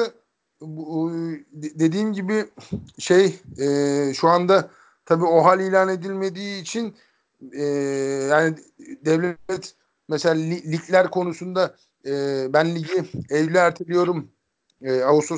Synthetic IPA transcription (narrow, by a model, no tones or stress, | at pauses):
d̪e̞d̪iːmɟibɪʃejɛːʃuand̪a | t̪ʰabiːo̞ɦalʲilʲaːne̞d̪ilʲme̞d̪iːt͡ʃʰin | ɛːjaːni | d̪ɛvlʲeɛt̪ | meselʲaːlʲilʲicʰlʲæɾkʰo̞nusund̪a | ɛːbænlʲiɟiɛvlʲɛæɾt̪ʰilʲijo̞ɾum | ɛaust̪o